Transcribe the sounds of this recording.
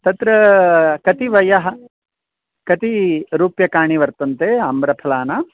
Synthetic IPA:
t̪ɐt̪ɾɐkɐt̪iʋɐjɐɦɐ̆ | kɐt̪iɾuːpjɐkaːɳiʋɐɾt̪ɐnt̪eːɐmbɾɐpʰɐlaːna

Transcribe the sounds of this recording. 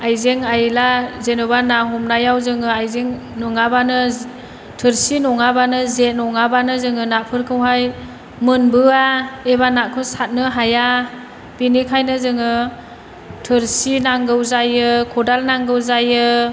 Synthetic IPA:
ajzeŋajlazenubanaɦumnajawzɯŋɯajzeŋ | nɔŋabanɯ | tʰɯɾsinɔŋabanɯzet̚nɔŋabanɯzɯŋɯnapʰɯɾkʰɯwɦaj | mɯnbɯaeβanakʰɯsat̚nɯɦaja | b̥inikʰajnɯzɯŋɯ | tʰɯɾsinaŋɡɯwzajɯkʰɔdalnaŋɡɯwzajɯ

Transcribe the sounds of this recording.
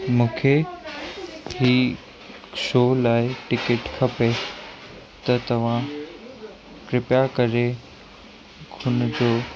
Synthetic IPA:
mũːkʰe | ɦiː | ʃoːlaːɪʈɪkɪʈkʰɐpe | t̪ɐt̪ɐʋ̤ã | kɾɪpjakɐɾe | ɡʱʊnd͡ʑoː

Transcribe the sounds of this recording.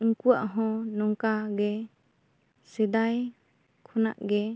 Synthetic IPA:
ɯŋkuaʔɦɔ̃nɔŋkaɡɛ | sɛd̪aj | kʰɔna̰ʔɡɛ

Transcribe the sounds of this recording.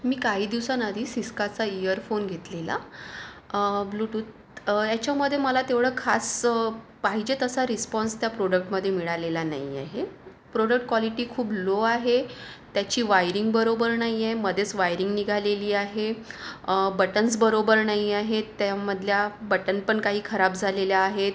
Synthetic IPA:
miːkaɦiːd̪iʋsanad̪ʱiːsiskat͡saijəɾfonɡʱet̪lela̰ | bluːʈuːt̪̚ | jat͡ɕjaməd̪ʱːjeməlat̪eʋɭəːkʰas | paɦid͡ʑet̪əsaɾispɔ̃nst̪japɾoɽək̚ʈməd̪ʱːjemiɭalelana̰ɦia̰ɦe | pɾoɽək̚ʈ̚kʋaliʈiːkʰuːbloaɦet̪jat͡ɕiːʋajɾiŋɡbəɾobəɾnaɦiaɦeməd̪ʱet͡sʋajɾiŋɡniɡʱaleliːaɦe | bəʈənsbəɾobəɾnaɦiaɦet̪jaməd̪ʱljabəʈənpəɳkaɦiːkʰəɾab̚d͡zʱaleljaːɦe

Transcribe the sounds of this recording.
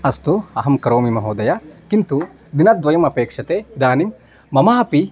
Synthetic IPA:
ɐst̪uɐɦɐmkɐɾoːmimɐɦoːd̪ɐjɐkint̪u | d̪inɐt̪ʋɐjɐmɐpeːkʂɐt̪ed̪aːnimː | ɐmaːpi

